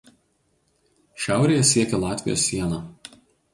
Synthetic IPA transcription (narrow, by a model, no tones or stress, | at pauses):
ʃʲæˑʊɾʲeːjɛsʲiɛkʲɛlˠɑːt̪ʲʋʲɪjo̰ːsːʲiɛnɑː